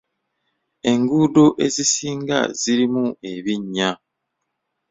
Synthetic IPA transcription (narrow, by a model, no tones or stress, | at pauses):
e̞ŋɡuːdo̞ʔe̞zisiːŋɡa̰z̥iɾimue̞βiɲːa